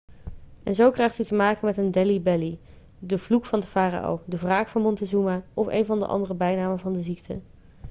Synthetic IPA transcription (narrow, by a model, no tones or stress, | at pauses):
ʔɛ̰nzowkrɛjχtytəmaːkənmɛtəndɛlibɛli | dəvlukfɑndəfaːra̰ʔo̰wdəvraːkfɑnmɔntəzumaʔɔfḛjnvɑndə̰ʔɑ̰ndərəbɛjnaːməvɑndəziktʰə̰